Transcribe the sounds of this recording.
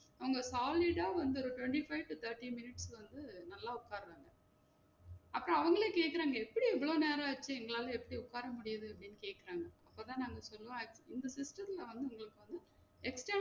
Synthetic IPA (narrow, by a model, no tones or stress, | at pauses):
ɐʋɐŋɡɐsaːlɪɖaːʋɐnd̪ɯɔɾɯʈʋɛɳʈifɐɪʋʈut̪ʰɐɾʈːimɪnɪʈsʋɐnd̪ɯnɐlːaːʊkːaːɾɐðaːŋɡɐ | ɐpːɐɾõɐʋɐŋɡɐɭeːkeːʈkːɪɾaːŋɡɐɛpːɐɽiɛʋɐɭoːneːɾaːʋɐt͡ʃːɯɛŋɡɐɭaːlɐ̃ɛpːɐɽiʊkːaːɾɐmʊɽɪjɐðɯɐpːɐɽɪnːɯkeːʈkːɪɾaːŋɡɐɐpːoːt̪ãːnaːŋɡɐsɔlːɯʋõɪnd̪ɐsɪsʈɐt̪ɪlɐʋɐnd̪ɯʊŋɡɐɭɯkːɯʋɐnd̪ɯ | ɛksʈɐː